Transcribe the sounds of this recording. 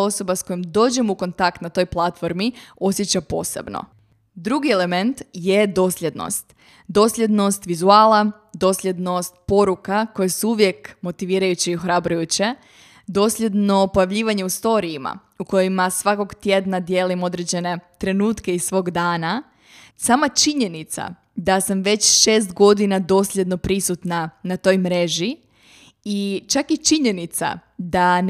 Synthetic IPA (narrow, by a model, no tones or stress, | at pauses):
o̞so̞basko̞jimd̪o̞ːd͡ʑemuko̞nt̪akt̪nat̪o̞jplˠat̪fo̞ɾmio̞sje̞t͡ɕapo̞̰ːsḛbno̰ | d̪ɾuɡie̞le̞me̞nt̪je̞d̪o̞ːslʲje̞d̪no̞̰st̪ | d̪o̞slʲe̞d̪no̞st̪ʋizuaːla | d̪o̞slʎʲe̞d̪no̞st̪po̞ɾukako̞jesuuʋjekmo̞t̪iʋiːɾajut͡ɕiioxɾabɾujut͡ɕe̞ | d̪o̞sʎʲe̞d̪no̞po̞jaʋʎiːʋaɲe̞ust̪o̞ɾiːma̰ | uko̞jimasʋako̞ɡt̪je̞d̪nad̪je̞ːlimo̞d̪ɾe̞d͡ʑe̞ne̞t̪ɾe̞nuːt̪ke̞isʋo̞ːɡd̪aːna | samat͡ʃiɲe̞nit̪sa̰ | d̪asamʋe̞t͡ɕʃeːst̪ɡo̞d̪inad̪o̞ːslʲje̞d̪no̞pɾisut̪nanat̪o̞jmɾe̞ʒi | it͡ʃakit͡ʃiɲe̞nit̪sa̰d̪a